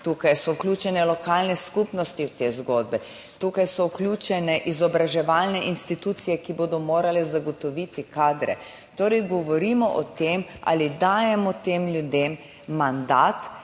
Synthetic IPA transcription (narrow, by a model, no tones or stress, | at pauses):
t̪uːkajsɔuklʲut͡ʃɛnɛlɔkalnɛskupnɔst̪iwt̪eːzɡoːd̪̚bɛ | t̪uːkajsɔuklʲjuːt͡ʃɛnɛʔizɔbɾaʒɛʋalnɛʔinst̪it̪uːt̪sijɛkiboːd̪ɔmoːɾalɛzaɡɔt̪ɔʋit̪ikaːd̪ɾɛ̰ | t̪oːɾɛjɡɔʋɔɾimɔʔɔt̪eːma̰lid̪aːjɛmɔt̪emljud̪eːmː | and̪at̪